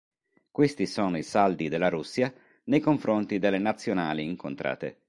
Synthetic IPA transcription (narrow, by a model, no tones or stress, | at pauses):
kwest̪isɔːnoisald̪id̪elːaɾusːja | nejkoɱfɾont̪id̪elːenat̪sːjona̰ːliːŋkont̪ɾʔa̰ːt̪ḛ